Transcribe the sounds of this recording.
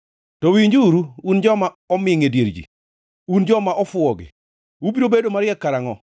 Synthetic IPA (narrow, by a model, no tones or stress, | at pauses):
tɔwiɲd͡ʒuɾuund͡ʒɔma | ɔmɪŋedjeɾd͡ʒḭ | und͡ʒɔmaʔɔfʊɔɡɪ̰ | ubiɾobedomaɾɪɛkːaɾaŋɔ̰